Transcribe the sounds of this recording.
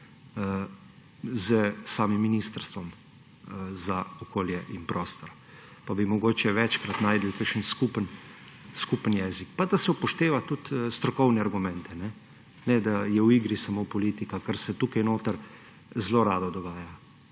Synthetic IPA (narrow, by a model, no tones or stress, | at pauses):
ə | zəsaːmimːiniːst̪əɾst̪ʋɔm | zaɔkoːljɛʔinpɾʔoːst̪ɔɾ | pabimɔɡoːt͡ʃɛʋɛt͡ʃkɾat̪naːjd̪əlkəkʃənskupənskuːpənjɛzikpad̪asɛupɔʃt̪eːʋat̪ut̪st̪ɾɔkɔwnɛaɾɡumɛ̃nt̪ɛnɛ | nɛd̪ajɛwiɡɾisamopɔliːt̪ikakəɾsɛt̪uːkajnoːt̪əɾ | zloɾaːd̪ɔd̪ɔɡaːja